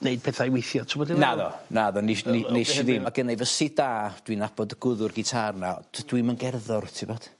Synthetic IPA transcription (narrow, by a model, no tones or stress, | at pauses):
nejd̚pʰɛːθajwejθjɔtʰəmɔdɪnaðɔnaðɔninnejʃɪðimaɡənejvəsid̥aːd̥winabɔdəɡʊðʊrɡɪtʰarnḁd̥wimənɡɛrðɔrtʰɪbɔːd̥